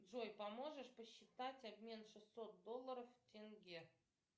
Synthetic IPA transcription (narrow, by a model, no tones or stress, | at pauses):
ʐojpɐmoʐɨʂpəɕːɪt̪atʲabmʲe̞nʂɨsːo̞t̪̚d̪olˠːəɾəftʲeŋɡʲe